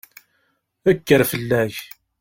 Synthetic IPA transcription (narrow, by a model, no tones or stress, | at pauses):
ækːəɾfəlːæç